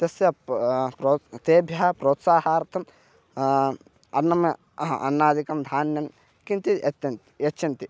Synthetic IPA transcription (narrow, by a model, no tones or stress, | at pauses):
t̪ɐsjɐpɾoːt̪eːbʱjɐɦɐpɾoːt̪saːɦaːɾt̪ʰɐm | ɐnɐm | ɐ̰nːaːd̪ikɐmd̪ʱaːnjɐm | kint̪it̪ɐn | jɐt͡ʃːt͡ʃɐnt̪i